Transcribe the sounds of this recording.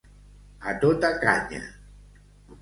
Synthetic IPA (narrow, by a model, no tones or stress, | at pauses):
at̪ot̪aka̰ɲa̰